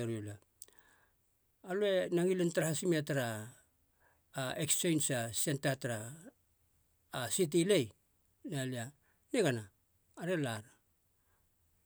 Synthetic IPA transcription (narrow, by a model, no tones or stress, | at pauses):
eɾiula | alue̞naŋilentaɾahasimiataɾa | ekst͡ʃe̞jnsasientataɾa | sit̬ile̞j | nalia | neɡanaː | ɾe̞laɾa